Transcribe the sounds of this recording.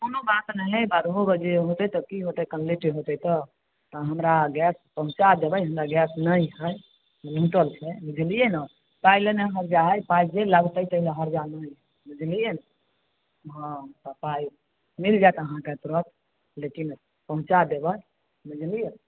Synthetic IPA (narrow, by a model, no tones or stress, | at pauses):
konobat̪nəɦebaɾɦoɡəd͡ʒeɦot̪əjt̪ɔkiɦot̪əjkənleʈiɦot̪əjt̪ɔ | t̪ɔɦəmɾaɡɛspəɦũt͡ʃad̪ebəjɦəmɾaɡɛsnəjɦəj | əlɦũʈəlt͡ʃʰebid͡ʒʱlijenə | pajleneɦəɾd͡ʒaɦjpajd͡ʒeləɡt̪ət̪əleɦəɾd͡ʒanəj | bəd͡ʒlijen | ɦə̃t̪əpaj | mild͡ʒajt̪əɦãket̪ɾət̪ | lekin | pəɦũt͡ʃad̪ebəj | məd͡ʒlije